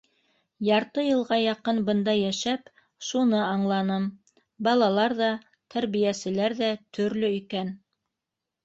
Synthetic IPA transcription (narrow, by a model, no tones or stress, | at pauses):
jɑɾt̪ɤjɤ̆lˠʁɑjɑqɤnbɤ̆nd̪ɑjæʃæp | ʃunɤɑɴlˠɑnɤm | bɑlˠɑlˠɑɾðɑ | t̪ʰæɾβijæsɘ̆læɾðæt̪ʰɵ̆ɾlɵikæn